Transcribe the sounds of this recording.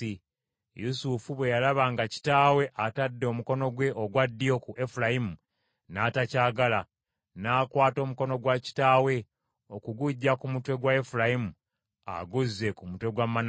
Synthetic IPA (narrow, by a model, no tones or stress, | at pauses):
i | jusufuβwe̞jalaβaŋɡaci̥taːwe̞ʔatadːemuko̞no̞ɡwe̞ʔoɡwadːijo̞kuʔe̞fulajimu | naːtacaːɡala | naːkwaːto̞ːmuko̞no̞ɡwaci̥taːwe̞ | o̞kuɡuɟːakumutwe̞ɡwaefulajimu | a̰ɡuzːe̞kumutwe̞ɡwamːan